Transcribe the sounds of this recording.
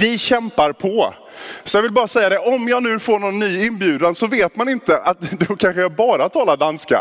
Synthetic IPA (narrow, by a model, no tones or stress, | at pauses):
vɪɕɛmpaɾpʰɔ | sɔjɑɡvɪlbɑːɾasɛjːad̪ɛʔɔmjɑːɡnʉ̟ːfoːɳɔnːyːɪnbjʉ̟ːd̪ansɔveːt̪manɪnt̪əʔat̪d̪ʊkʰanɧəɛbɑːɾat̪ʰɑːlad̪anska̰